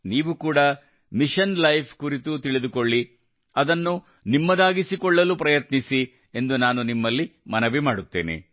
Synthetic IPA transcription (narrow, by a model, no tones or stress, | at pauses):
niːʋukuːɽɐ | miʃɐnlɐjpʰkuɾit̪ut̪iɭid̪ukoɭːi | ɐd̪ɐnːu | nimːɐd̪aːɡisikɔɭːɐluːpɾɐjɐt̪nisi | e̞nd̪unaːnunimːɐlːimɐnɐʋimaːɽut̪ːḛːnḛ